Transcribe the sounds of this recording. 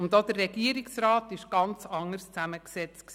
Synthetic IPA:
ʊndod̪̥ərːɛɡ̥iəɾɪksrɑːtɪʃɡ̥ɑnt͡sɑŋəɾst͡sæməksɛt͡stksi

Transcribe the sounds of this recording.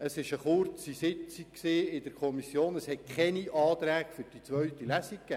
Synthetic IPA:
əsɪʃəχʊrt͡sisɪt͡sikksiːɪdəɾkʰɔmisjoːnəshɛt̚kχɛniɑːt̪ɾæːɡføɾd̥it͡sʋœɥt̪ilæsikkːæː

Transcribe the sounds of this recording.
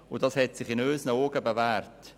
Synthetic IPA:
ʊdɑshɛtsɪχɪnøːsnəoːɡəbəvæːrt

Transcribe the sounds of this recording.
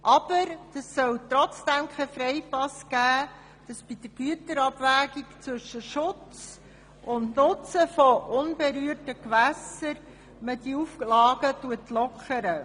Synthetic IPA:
ʔɑb̥əɾd̥əsːœwt̪ɾɔt͡sd̪̥æmkʰɛfɾɛɪpɑsɡ̥æː | d̥ɑsb̥id̥̪əɾɡ̥yətəɾɑbvæːɡikt͡sʋʏʃəʃʊt͡s | ʔʊndnʊt͡səfɔʔʊnbeɾyərtəkʋæsəɾ | mədiuflɑːɡətuətlɔkʰəɾə

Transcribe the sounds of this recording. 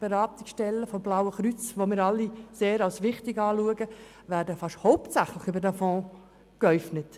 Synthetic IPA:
b̥eɾɑːt̪ɪksʃtɛlːəfoblawəχɾyt͡sʋomɪːɾɑlːiseːɾɑlsʋɪχtɪɡɑːluəɡə | ʋæːɾdəfɑʃhɔʊptt͡sæχləχybəɾdæfɔ̃ː | kœʏfnət

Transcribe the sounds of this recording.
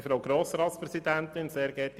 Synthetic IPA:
fɾowɡɾoːsɾɑːt̪spɾɛsid̪ænt̪ɪnseːɾɡɛːti

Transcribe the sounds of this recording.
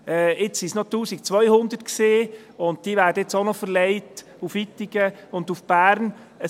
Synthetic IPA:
ɛːɪt͡sisnɔtuːsikt͡sʋœjhʊnd̪ətkseː | ʊnt̚d̥iːʋæːɾdəɪt͡sonɔfəɾlɛɪt | ufitːɪɡəʊndufb̥æːɾn | ə

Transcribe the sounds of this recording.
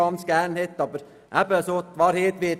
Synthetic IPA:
ɑnskæːɳheːt̪ːɑbɾ | ʔæpeɛsot̪ːʋɑːɾheːt̪ʋeː

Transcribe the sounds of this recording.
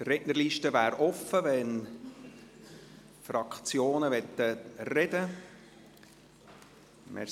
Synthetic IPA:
trɛʔnəɾliːʃtəvæːɾɔfəvɛn | fɾɑkt͡sjoːnəvɛt̪ːərɛdə | mʔɛ̰

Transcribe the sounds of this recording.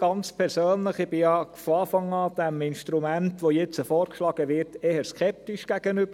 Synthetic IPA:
ɡ̥ɑnt͡spʰɛɾsøːnləχɪb̥ɪjɑfɔɑːfɑŋɑːd̥̪ɛmɪnʃtɾumæntʋojɛt͡səfɔːɾkʃlɑːɡ̥əʋɪɾteːhəɾskʰɛp̚tiʃɡ̥æɡ̥ənʏbə

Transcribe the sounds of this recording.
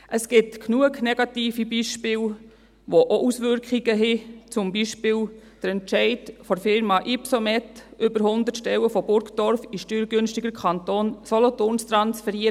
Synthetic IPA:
ʔəsɡ̥ɪtknuəknɛɡ̥ɑtiːfibiʃpɪːl | ʋoʔoʔusʋʏɾkχiɡ̥əɦɪt͡sʊmbiʃpɪːl | d̥əɾɛntʃɛɪdfɔɾfɪɾmɑʔipsɔmɛtʔʏbəɾhʊnd̪ətʃtɛləfɔbʊɾkdɔɾfiʃtyːɾɡønʃtiɡəɾkʰɑntoːnsɔlɔtoːnstɾɑnsfɛɾiə

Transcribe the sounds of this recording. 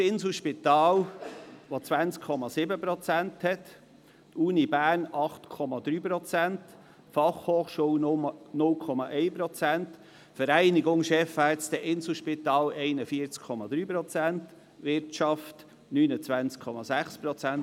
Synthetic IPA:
sɪnsl̩ʃpɪt̪ɑːlʋot͡sʋænt͡skʰːɔmɑsɪbəpɾɔt͡sænt̪hɛt̪ | uːnibæːɾnɑχtkʰɔmɑd̪ɾyːpɾɔt͡sænt | fɑχhoːχʃuːwnʊmənʊlkʰɔmɑʔɛɪpɾɔt͡sænt | fəɾæɪnɪɡʊŋʃɛfɑːt͡st̪əɛʔɪnsl̩ʃpɪt̪ɑːlɛɪnəfiəɾt͡skʰɔmɑd̪ɾyːpɾɔt͡sænt | ʋɪɾtʃɑft | nyːnət͡sʋænt͡skʰɔmɑsæχspɾɔt͡sænt

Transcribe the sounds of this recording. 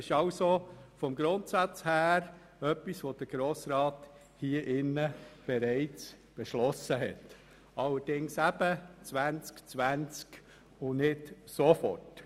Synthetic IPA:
ɪʃɑʊsofɔmɡɾʊntsɑt͡shæːɾ | œpːisʋod̥əɡ̥ɾoːsɾɑːt | hiəʔɪnːəb̥eɾɛɪt͡s | b̥ɛʃlɔsəɦɛ̰t | ɑlːəɾd̥ɪŋsæbət͡sʋænt͡skt͡sʋænt͡sk | ʊnɪtsofɔ̰rt

